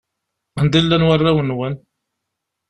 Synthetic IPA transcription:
ənd̪ilːænwarˤːawənwən

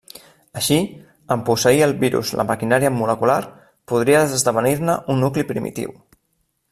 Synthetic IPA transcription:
əʃi | əmpusəiəlˠβiɾṵzlʔə̰məkinaɾiəmuləkulaɾ | puð̞ɾiəəzðəβ̞ənirnəʔunːuklipɾḭmḭt̪ḭw

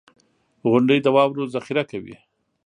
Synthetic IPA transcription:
ɣʊɳɖəjd̪əwɑwɾozaxiɾakawḭ

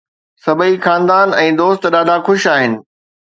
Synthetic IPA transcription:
sɐbəixaːnd̪aːnɛ̃ːd̪oːst̪ɗaːɖʱaxʊʃaːɦɪnɪ̆

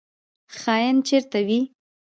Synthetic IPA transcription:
xɑjant͡ʃeɾt̪awi

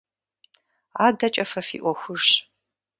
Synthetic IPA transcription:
aːdɐt͡ʃʼɐfɐfḭːʔʷɔxʷʊʂ

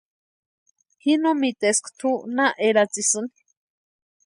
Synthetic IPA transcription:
hinõmit̪eskʰt̪ʰunaʔeɾat͡sisɨni̥

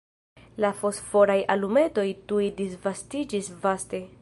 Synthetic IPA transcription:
lafo̞sfo̞ɾajalume̞to̞jtuidisvastid͡ʒisvaste̞

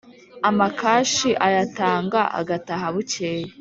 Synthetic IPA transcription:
amakaːʃiʔajataːŋɡaʔa̰ɡataɦaβuceːje

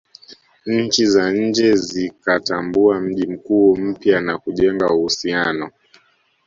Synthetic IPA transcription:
ɲ̩t͡ʃizaɲ̩d͡ʒɛzikatambuam̩ʄim̩kuːm̩pjanakuʄɛŋɡauhusianɔ

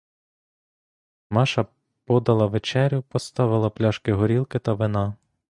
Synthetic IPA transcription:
mɑʃɐ | pɔd̪ɐlˠɐʋet͡ʃɛɾʲjʊpɔst̪ɑʋɪlˠɐplʲɑʃkɪɦɔɾʲilˠkɪt̪ɐʋenɑ

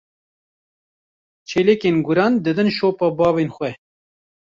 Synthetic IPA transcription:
t͡ʃʰeːleːkeːnɡʊɾɑːnd̪ɨd̪ɨnʃoːpɑbɑːveːnxwɛ

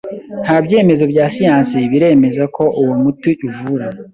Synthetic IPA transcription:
n̥habje̞ːme̞zo̞bɟaːsijãːnsiβiɾe̞ːme̞zako̞ʔuwomutuʔivuɾa

